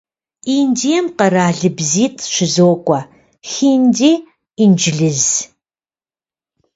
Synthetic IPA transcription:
iːndijɛmqɐraːɮɨbziːtʰʼʃɪzoːkʷʼɐ | xiːndeː | ind͡ʒɪɮɨz

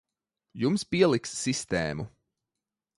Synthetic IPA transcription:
jumspiɛlˠiksːist̪ɛːmṵ

